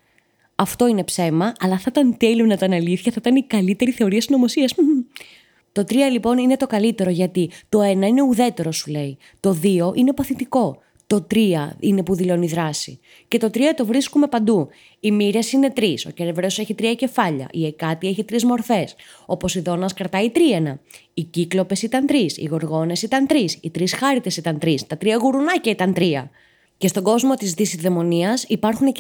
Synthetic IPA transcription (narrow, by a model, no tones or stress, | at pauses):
ɐft̪o̞ine̞pse̞mɐɐlɐθɐt̪ɐnt̪elonɐt̪ɐnɐliθçɐθɐt̪ɐnikɐlit̪e̞ɾiθe̞oɾiɐst̪ino̞mosiɐs | t̪o̞t̪ɾiɐlipo̞nine̞t̪o̞kɐlit̪e̞ɾo̞ʝɐt̪it̪o̞e̞nɐine̞uðe̞t̪e̞ɾo̞sule̞i | t̪o̞ðio̞ʔinepɐθit̪iko̞ | t̪o̞t̪ɾiɐine̞puðilo̞niðɾɐsḭ | ce̞t̪o̞t̪ɾiɐt̪o̞vɾiskume̞pɐnd̪u | imiɾe̞sine̞t̪ɾisoce̞ɾevɾe̞ose̞çit̪ɾiɐce̞fɐʎɐ̰ʔiekɐt̪ieçit̪ɾizmo̞ɾfe̞s | o̞po̞siðo̞nɐskɾɐt̪ɐit̪ɾie̞nɐ | iciklo̞pe̞sit̪ɐnt̪ɾisḭɣo̞ɾɣo̞ne̞sit̪ɐnt̪ɾisḭt̪ɾisxɐɾit̪e̞sit̪ɐnt̪ɾist̪ɐt̪ɾiɐɣuɾunɐcɐit̪ɐnt̪ɾiɐ | ce̞st̪o̞ɡo̞zmo̞t̪izðisizðe̞mo̞niɐsipɐɾxune